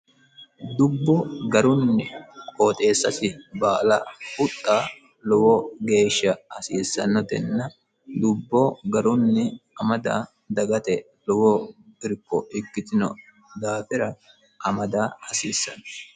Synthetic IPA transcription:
d̪ʊbːɔɡɐɾʊnːɪkʼoːt̪ʼe̞ːsːɐsɪbaːlɐʊt̪ʼːaː | lɔwɔɡe̞ːʃːɐɐsiːsːɐnːɔt̪ɛnːɐ | d̪ʊbːɔɡɐɾʊnːɪɐmɐd̪a̰ː | d̪ɐɡɐt̪ɛ | lɔwɔɪɾkːɔʔɪkːɪt̪ɪnɔ̰ | d̪aːfɪɾɐ | ʔɐmɐd̪aːɐsiːsːɐ̰n

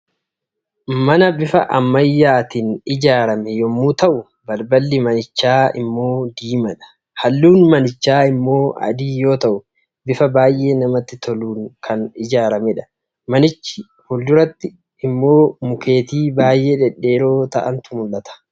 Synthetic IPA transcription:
mɐnɐbɪfɐ̰ʔɐmːɐjːaːt̪iːnɪd͡ʒaːɾɐmɛjɔmːuːt̪ɐʔʊ | bɐlbɐlːɪmɐnɪt͡ʃːaːɪ̰mːo̞ːd̪iːmɐᶑɐ̥ | hɐlːuːnmɐnɪt͡ʃːaːɪmːo̞ːɐ̰d̪iːjo̞ːt̪ɐʔʊ | bɪfɐbaːjʔe̞ːnɐmɐt̪ːɪt̪ʰɔluːŋkʰɐnɪd͡ʒaːɾɐmɛᶑɐ̥ | mɐnɪt͡ʃːɪ | hʊld̪ʊɾɐt̪ːɪ | ɪmːo̞ːmʊke̞ːt̪iːbaːjʔe̞ːᶑɛᶑe̞ːɾo̞ːt̪ɐʔɐnt̪ʊmʊlːɐt̪ɐ̥

